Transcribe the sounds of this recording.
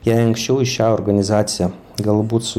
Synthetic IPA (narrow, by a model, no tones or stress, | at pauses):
jæjɐŋkʃʲt͡ʃʲɛʊɪʃʲaːɔrɡɐnʲɪzaːt̪sʲɪja | ɡɐlˠbuːt̪ʲsʊ